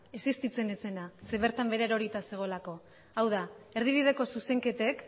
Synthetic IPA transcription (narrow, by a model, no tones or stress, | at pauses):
e̞sist̪it͡se̞ne̞t͡se̞nase̞βe̞ɾt̪ambe̞ɾe̞ɾo̞ɾit̪ase̞ɣ̞o̞lako̞ | awðae̞ɾð̞iβ̞ið̞e̞ko̞suse̞ŋke̞t̪e̞k